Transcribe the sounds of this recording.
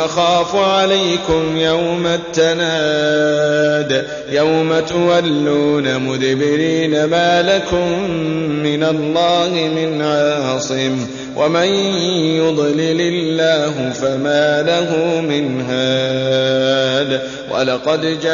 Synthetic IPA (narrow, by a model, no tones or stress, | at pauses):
ʔaxaːfʕalajkʊmjawmat̪ːanaː | d̪ | jawmat̪ʊwalːuːnamʊd̪bɪɾiːnamaːlakʊmː | ɪnalˤːɑːhɪmɪnʕɑːsˤɨm | wʔamanjʊd̪ˤlɪlɪlːaːɦʊfamaːlahʊmɪnɦaː | d̪ | wʔa̰lɑqɑd̪d͡ʒa